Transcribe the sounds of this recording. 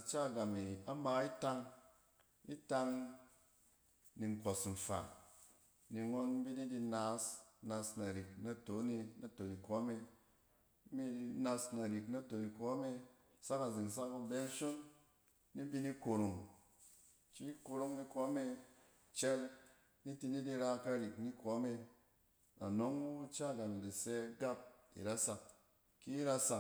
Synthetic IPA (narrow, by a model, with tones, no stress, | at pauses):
t͡ʃa˦˨ɡa˨mi˨a˨˦ma˧˦i˦ta˧ŋ | i˦ta˧ŋ | ni˨ŋ˨ko˨sm̩˨fa̰˨ | ni˨ŋo˧n˦bi˦ni˦di˧na˨˦sna˧sna˨ɾi˨k̚na˨to˨˦ni˧na˨to˨ni˨ko˨˦me˧˦ | bi˦di˧na˧sna˨ɾi˨kna˧to˨ni˧ko˨˦me˧ | sa˦ka˨zi˨ŋ˨s̬a˦ku˧bɛ˦ʃo˦nː | i˦bi˧ni˦ko˨ɾo˨ŋ | t͡ʃi˦ko˧ɾo˧ŋni˧kɔ˨˦me˧ | t͡ʃɛ˦l | ni˦ti˧ni˦di˧ɾa˧ka˧ɾi˨kni˦kʷo˨˦me˧ | a˨no˦ŋu˦t͡ʃa˦˨ɡa˨n˨di˨sɛ˦ɡa˦p̚ḭ˨ɾa˦sa˨k | ki˦ɾa˧sa˨k